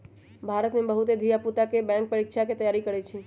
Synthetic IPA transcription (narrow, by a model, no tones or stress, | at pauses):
bʱaɾət̪mẽbəɦut̪ed̪ʱijaput̪akebɛ̃ŋk̚pəɾikʃʰaket̪əjaːɾikəɾet͡ʃʰi